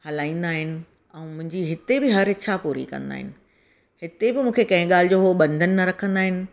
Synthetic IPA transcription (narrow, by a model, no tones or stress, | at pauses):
hɐlaːĩːn̆d̪aːɦɪnɪ̆ | ɛ̃ːmʊ̃ɦɪ̃ɲd͡ʑiɦɪt̪ebɪɦɐɾɪt͡ɕʰapuːɾḭkɐ̰̃nd̪a̰ːɦɪ̰nɪ̆ | hɪt̪ebɪmũːkʰekɐ̃ɦɪ̃ɠaːl̤ɪd͡ʑoːɦoɓɐ̃nd̪ʱənɪ̆nɐɾɐkʰə̃nd̪aːɦɪnɪ̆